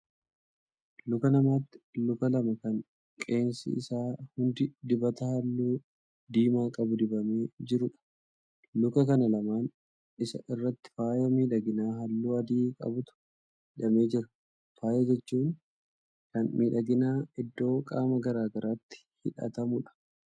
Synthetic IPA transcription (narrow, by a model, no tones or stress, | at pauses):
lʊkɐnɐmaːt̪ːɪ̥lʊkɐlɐmɐkɐŋ | kʼe̞ːnsɪ̰ɪsaːhʊnd̪ɪd̪ɪbɐt̪ɐhɐlːuː | d̪iːmaːkʼɐbʊd̪ɪbɐmeːd͡ʒɪɾʊᶑɐ̥ | lʊkɐkɐnɐlɐmaːn | ɪsɐ̰ʔɪrːɐt̪ːɪ̥faːjɐmiːᶑɐɡɪnaːɦɐlːuːɐd̪iːkʼɐ̰bʊt̪ʊ̥ | hɪᶑɐme̞ːd͡ʒɪɾɐ | faːjɐd͡ʒɛt͡ʃːuːn | kɐnmiːᶑɐɡɪnaːɪd̪ːo̞ːkʼaːmɐɡɐɾaːɡɐɾʔaːt̪ːɪ̥hɪᶑɐ̰t̪ɐmʊᶑɐ̥